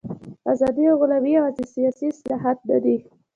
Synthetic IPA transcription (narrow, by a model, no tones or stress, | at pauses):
azɑd̪ioɣʊlawiɑzɪsijɑsislaɦat̪̚d̪a̰d̪i